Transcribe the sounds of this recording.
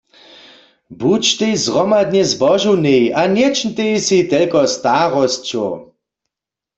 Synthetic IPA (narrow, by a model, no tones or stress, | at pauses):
but͡ʃt̪ejzʁɔmad̪̚njɛzbɔʒuwnejanjɛt͡ʃn̩t̪ejsit̪ɛlkɔst̪aʁɔst͡ʃo̰